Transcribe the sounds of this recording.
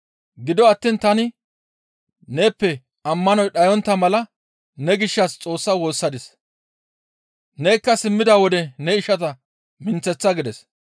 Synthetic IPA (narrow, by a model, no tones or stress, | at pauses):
ɡɪd̪ɔɐt̪ːiːnt̪ɐnɪ | ne̞ːpːɛ | ɐmːɐnɔjɗɐjɔnt̪ːɐmɐlɐ | nɛɡɪʃːɐst͡sʼo̞ːsːɐwo̞ːsːɐd̪ɪs | neːjkːɐsɪmːɪd̪awɔd̪ɛnɛɪʃɐt̪ɐ | mɪnt͡sːɛt͡sːɐɡɪd̪ɛs